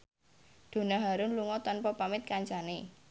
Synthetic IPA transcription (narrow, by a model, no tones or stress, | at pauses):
d̪̥o̤naɦaɾʊnluŋɔt̪ɔnpɔpamɪt̪̚kaɲt͡ʃane